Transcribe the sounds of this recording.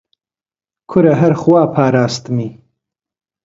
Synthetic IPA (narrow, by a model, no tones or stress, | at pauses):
kʰʊɾɐɦɐɾχwaːpʰaːɾaːst̪ɨmiː